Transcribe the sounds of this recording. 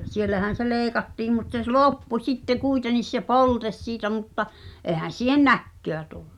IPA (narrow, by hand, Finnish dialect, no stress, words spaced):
sielːæhæn̞ se leːĭkɑtːiːm mut se s loˑpːu sitːe kuitenis se poltes siːtæ mutːɑ ʔeˑhæn̞ siːhen̆ nækːøæ tulːu̥